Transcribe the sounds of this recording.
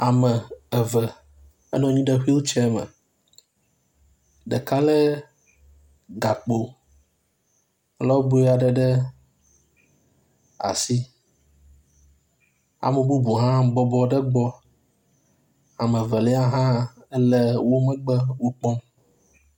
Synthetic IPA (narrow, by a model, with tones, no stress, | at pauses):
a˨mɛ˨ɛ˨və˨ | ɛ̰˦nɔ̃˨ɲĩ˦ɖɛ˦ɸi˦wo˦t͡ʃɛ˦mə̰̃˨ | ɖə˨ka˦lɛ˦ | ɡa˨k͡po˨˦ | lɔ˦bo˦a˨ɖɛ˨ɖɛ˦ | a̰˨si˦ | a̰˨mẽ˨bu˦bu˨ɦã˦bɔ˨bɔ˨˦ɖə˦ɡ͡bɔ˦ | a˨mẽ˨və˨lɛ˦a˦ɦã˦ | ɛ˦lɛ˦wo˦mə̃˦ɡ͡bə˦wo˦k͡pɔ˦m